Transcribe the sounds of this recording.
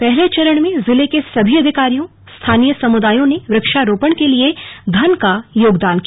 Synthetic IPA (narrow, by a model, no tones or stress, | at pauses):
pɛɦlet͡ʃɐɾəɽ̃mẽzɪlekesɐbʱiɐd̪ʱɪkaːɾijõ | st̪ʰaːnijəsɐmʊd̪aːjõneʋɾɐkʃaɾoːpəɽ̃kelied̪ʱɐnkajoːɡd̪aːnk